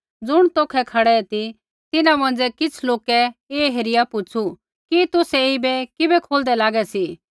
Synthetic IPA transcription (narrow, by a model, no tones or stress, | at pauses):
d͡zʊɽ̃t̪oːkʰɛkʰɐɽɛɛt̪i | t̪ɪnãmɐ̃n̆d͡zɛkɪt͡sʰloːkɛeːɦeɾɪjapʊt͡ʃʰu | kit̪ʊsɛibɛkɪbɛkʰoːld̪ɛlaːɡɛsi